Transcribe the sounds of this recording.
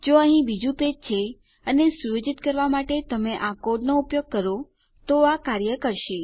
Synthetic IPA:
d͡ʒoəɦĩbid͡ʒũped͡ʒt͡ʃʰe | ənesujod͡ʒit̪kəɾʋamaʈet̪əmeʔakoɖnoupjoɡ̚kəɾo | t̪oakaɾjəkəɾʃe

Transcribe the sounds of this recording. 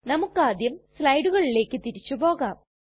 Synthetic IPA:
nɐmukːaːd̪jɐmslɐjɽuɣɐɭile̞ːkːɨt̪iɾit͡ɕːupo̞ːɣaːm

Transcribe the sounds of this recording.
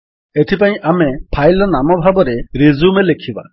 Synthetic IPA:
et̪ʰipaĩʔamepʰajlɔnamɔbʱabɔɾeɾezumelekʰiba̰

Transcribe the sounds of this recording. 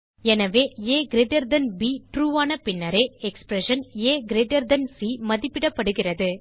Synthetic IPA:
ɛnɐʋeːeːɡɪɾeɖɐɾd̪ɐnbiːʈɾuːʋaːnɐpɪnːɐɾeːɛkspɾɛʂɐneːɡɪɾeɖɐɾd̪ɐnsiːmɐðɪpːɪɽɐpːɐɽɯɣɪrɐðɯ

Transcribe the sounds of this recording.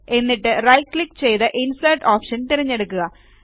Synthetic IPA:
e̞nːiʈːɨrɐjklikːt͡ɕe̞jt̪ɨʔinsɐjʈoːpʂɐnt̪iɾɐɲːe̞ɽukːuɣɐ

